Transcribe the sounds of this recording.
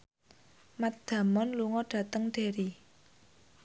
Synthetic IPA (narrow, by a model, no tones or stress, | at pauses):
mat̪̚d̪̥ä̤mɔnluŋɔɖ̥ä̤t̪əŋɖ̪̥e̤ɾi